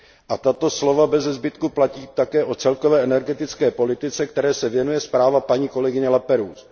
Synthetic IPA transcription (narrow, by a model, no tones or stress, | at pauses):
ʔat̪at̪o̞slo̞vabɛzɛzbɪt̪kuplaciːt̪akɛːʔo̞t͡sɛlkovɛːɛnɛɾɡɛt̪ɪt͡skɛːpo̞lɪt̪ɪt͡sɛkt̪ɛɾɛːsɛvjɛnujɛspɾaːvapaɲiːko̞lɛɡɪɲɛlapɛɾuːs